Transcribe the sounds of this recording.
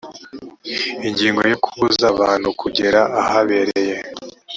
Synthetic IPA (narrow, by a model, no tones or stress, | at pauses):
iɲɟiːŋɡo̞jo̞kʰuzaβaːn̥hukʰuɟeɾaʔahaβeɾeje̞